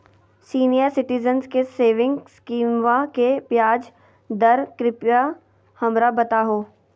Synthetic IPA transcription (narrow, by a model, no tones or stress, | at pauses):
siːnijəɾsɪʈɪzənzkeseːʋɪ̃ŋɡskiːmʋakepjaːd͡ʒ | d̪ɐɾkɾɪpja | hɐmɾabɐt̪aɦoː